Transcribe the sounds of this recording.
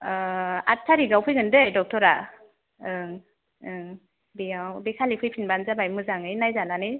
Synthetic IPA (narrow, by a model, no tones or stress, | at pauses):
a̰tʰːaɾiɡawpʰɯjɡɯndɯjdɔk̚tʰɔɾa | ɯŋ | ɯŋ | bijawbekʰalipʰɯjpʰinbanzabajmɯzaŋɯjnajzananɯj